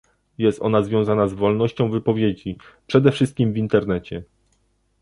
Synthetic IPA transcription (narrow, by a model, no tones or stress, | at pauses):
jɛst̪ʔɔ̰nazvʲjɔ̃w̃zanazvɔlnɔɕt͡ɕɔ̃w̃vɘpɔvʲjed͡ʑipʂɛd̪ɛfʂɘst̪̚kʲimvint̪ɛɾnɛt͡ɕɛ